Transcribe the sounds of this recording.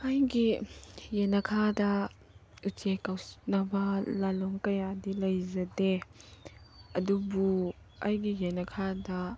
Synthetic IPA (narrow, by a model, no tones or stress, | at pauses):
ʔajɡijɛnɐkʰada | ut͡ʃekawnabalalɔŋkɐjadilɐjzɐde | ɐdubu | ʔajɡijɛnɐkʰada